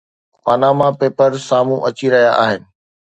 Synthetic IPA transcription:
panaːmapeːpəɾsaːmũʔɐt͡ɕiɾɐɦja̰ʔaːɦɪnɪ̆

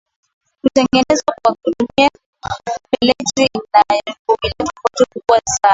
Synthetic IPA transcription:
kutɛŋɡɛnɛzwakwak̚uɗumia | ɛlɛtɾinajakumilɛtakatukukuwasaː

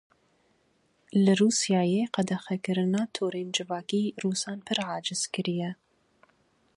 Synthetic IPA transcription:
lɐruːsjɑːjeqɐd̪ɐxɛkɨɾɨnɑːt̪ʰoːɾend͡ʒɨvɑːkiːruːsɑːnpʰɨɾʕɑːd͡ʒɨzkɨɾijɛ

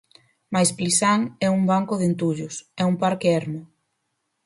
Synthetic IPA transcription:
majsplisaŋɛumbaŋkʊðent̪uʎʊsɛumpaɾkeɛɾmʊ

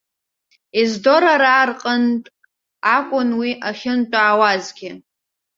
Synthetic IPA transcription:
izdo̞ɾaɾaːrqʼəntʼ | akʷʼʊnwiʔaχʲɪnt͡ʃʼaːwazɡʲɪ

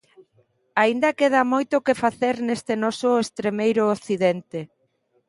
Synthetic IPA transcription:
aind̪ɐkeð̞amojt̪ʊkefaθeɾnest̪enɔsʊest̪ɾemejɾʊːθiðent̪e

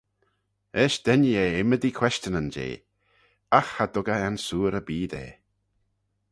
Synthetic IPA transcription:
ɛːʃd̪̥ɛnjeːɪməd̪ikʰw̥ɛʃt͡ʃənənd͡ʒḛː | axhad̪ʊɡəɛnsuːɾəbiːd̪ḛː

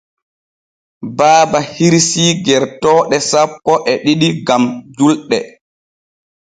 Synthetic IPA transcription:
baːbahiɾsiːɡɛɾtɔːɗɛsapːɔʔɛɗiɗiɡamd͡ʒulɗɛ

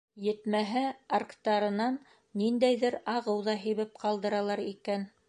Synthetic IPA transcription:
jɘ̆t̪mæɦɘarkt̪ɑɾɤ̆nɑnː | ind̪æjðɘɾɑʁɤwðɑɦĭβɘp̚qɑlˠd̪ɤ̆ɾɑlˠɑɾikæn

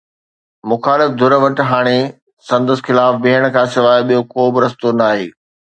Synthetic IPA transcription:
mʊxaːlɪfd̪ʱʊɾʋɐʈɦaːɽ̃e | sɐ̃nd̪əsxɪlaːfbiɦəɽ̃̆kʰãːsɪʋaːeɓijokoːbɪɾɐst̪onaːɦḛː

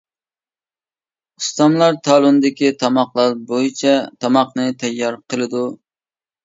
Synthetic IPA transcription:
ust̪ɑmlˠɑɾt̪ʰɑːlˠund̪ɪkʲit̪ʰɑmɑqlˠɑɾbojit͡ʃʰɛt̪ʰɑmɑqnɨt̪ʰɛjːɑɾqʰəlˠɨd̪u

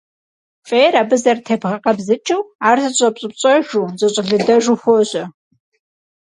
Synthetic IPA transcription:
fʼeːraːbɨzɐrtʰeːpʁɐqɐbzɨt͡ʃʰʼɨwaːrzʰɐɕʼɐpɕʼɨpt͡ʃʼɐʒuːzɐɕʼɪɮɨdɐʒuxʷoɕʼɐ

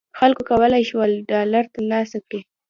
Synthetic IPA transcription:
xalkokawəlajʃwalɖɑlaɾt̪anɑst̪akɽi

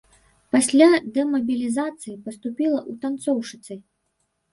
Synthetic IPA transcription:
pasʲlʲad̪ɛmɐbʲilʲizat̪sɨjipɐst̪upʲilˠɐʔut̪ant̪sɔwʂɨt̪sɨj

